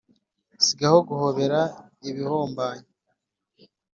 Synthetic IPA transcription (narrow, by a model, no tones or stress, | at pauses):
siɡahoɡuhoβe̞ɾa | iβihoːmbaːɲe